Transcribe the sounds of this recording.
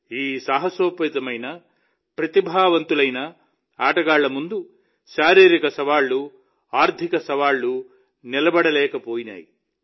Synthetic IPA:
iːsaːɦɐsoːpɐit̪ɐmɐjnɐ | pɾɐt̪ibʱaːʋɐnt̪ulɐjnɐ | aːʈɐɡaːɭːɐmund̪u | ʃaːɾiːɾikɐsɐʋaːɭːu | aːɾd̪ʱikɐsɐʋaːɭːu | nilɐbɐɽɐlɛːkɐpoːjina̰ːjḭ

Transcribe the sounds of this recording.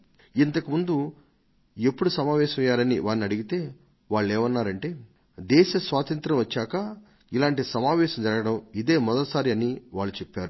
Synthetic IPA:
int̪ɐkumund̪u | e̞pːuɽusɐmaːʋɛːʃɐmɐjːaːɾɐnḭʋaːɾniɐɽiɡit̪e̞ː | ʋaːɭːeːʋɐnːaːɾɐɳʈe̞ː | d̪ɛːʃɐsʋaːt̪ɐnt̪ɾɐmʋɐt͡ʃːaːkɐ | ilaːɳʈisɐmaːʋɛːʃɐmd͡ʒɐɾɐɡɐɽɐmid̪eːmɔd̪ɐlɐsaːɾiɐniʋaːɭːut͡ʃepːaːɾu

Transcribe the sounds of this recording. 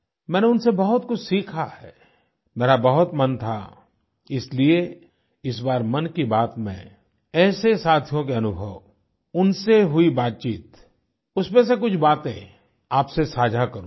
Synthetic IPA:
mɛ̃ːneʊnsebɐɦʊt̪kʊt͡ʃʰsiːkʰahɛː | meːɾabɐɦʊt̪mɐnt̪ʰa̰ | ɪslie | ɪs̬baːɾmɐnkibaːt̪mḛ̃ | ɛːsesaːt̪ʰijõkeɐnʊbʱəʋ | ʊnseɦʊibaːt̪̚t͡ʃiːt̪ | ʊsmẽs̬ekʊt͡ʃʰbaːt̪ḛ̃ | aːpsesaːd͡ʒʱakɐɾũː

